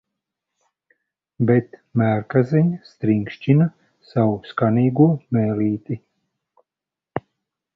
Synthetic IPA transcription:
bɛt̪mæːɾkazɛɲst̪ɾiŋkʃt͡ʃina | sawuskaniːɡuɔmɛːliːt̪i

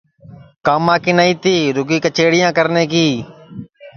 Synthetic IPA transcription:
kaːmãːkiːnaːĩːt̪iːɾʊɡiːkət͡ʃeːɽɪjãːkəɾneːk̬iː

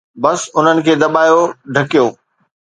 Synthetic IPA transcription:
bɐsʊn̤ənɪ̆kʰeːd̪ɐɓaːjoɖʱɐkijoː

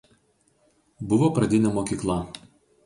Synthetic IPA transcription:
bʊʋoːpɾɐd̪ʲɪnʲɛmoːkʲiːklˠɐ

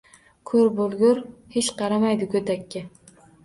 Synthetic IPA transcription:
kʰɵɾbolˠɡʲʊɾhet͡ʃqʰɑɾamajd̪ɪkʲʰɵd̪akʲːɪ

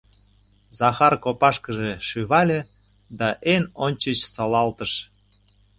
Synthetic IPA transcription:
zɑxɑrkopɑʃkəʒeʃyβɑlʲe | d̪ɑʔenonʲt͡ɕət͡ɕsɑlɑlt̪əʃ

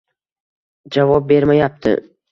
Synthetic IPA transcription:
d͡ʒavɒp̚be̞ɾmajap̚t̪ʰɪ̰

